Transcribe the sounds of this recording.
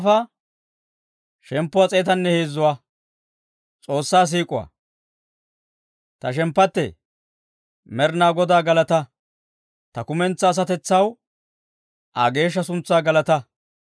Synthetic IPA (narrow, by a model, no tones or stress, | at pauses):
fɐ | ʃɛmpːʊwat͡sʼeːt̪̬ɐnːɛheːzːʊwaː | t͡sʼo̞ːsːaːs̬iːkʼʊwɐ̰ | t̪ɐʃɛmpːɐt̪ːɛ̰ | mɛɾnaːɡɔd̪aːɡɐlɐt̪ɐ | t̪ɐkʊmɛnt͡sːɐːs̬ɐt̪ɛt͡sːɐw | ʔaɡe̞ːʃ̬ːɐsʊnt͡sːaːɡɐlɐt̪ɐ